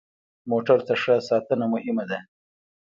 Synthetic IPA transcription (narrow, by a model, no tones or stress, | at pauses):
moʈaɾt̪aʂəsɑt̪ənamʊhɪmad̪a